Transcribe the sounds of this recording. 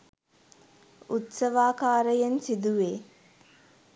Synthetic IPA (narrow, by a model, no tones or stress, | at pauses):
ut̪səʋaːkaːɾəjensid̪uʋeː